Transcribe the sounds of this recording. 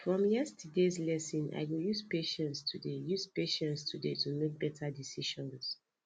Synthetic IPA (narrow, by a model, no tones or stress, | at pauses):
fɹɔ̃mjɛstʰədezlɛsĩna̰ɪwjuzpeʃɛ̃ntstʰudejuzpeʃɛ̃ntstʰudetʰumek̚b̥ɛtʰadisiʃɔ̃ns